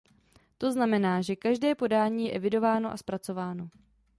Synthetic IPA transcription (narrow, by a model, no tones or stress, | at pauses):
t̪o̞znamɛnaːʒɛkaʒdɛːpo̞daːɲiːjɛʔɛvɪdo̞vaːno̞ʔa̰spɾat͡so̞vaːno̞